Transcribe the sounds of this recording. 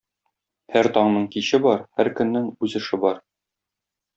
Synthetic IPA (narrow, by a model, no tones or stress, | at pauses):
hæɾt̪ɒɴnɤɴkiɕɘbɒɾhæɾkɵ̆nːɘŋʉzɘ̆ʃɘbɒɾ